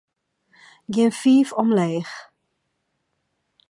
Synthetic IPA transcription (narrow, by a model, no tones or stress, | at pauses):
ɡinfiːfɔmlɛjχ